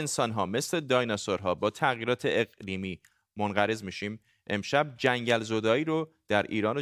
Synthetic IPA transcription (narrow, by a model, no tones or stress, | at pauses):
ensɒːnɦɒːme̞sle̞d̪ɒːjnɑsoɾɦɒːbɒːt̪ʰæɣjiːɾɒːt̪ʰe̞eɣliːmiː | monɢæɾe̞zmiːʃiːm | ʔe̞̰mʃæb̚d͡ʒæŋɟælzod̪ɒːiːɾod̪̥æɾʔḭːɾɒːno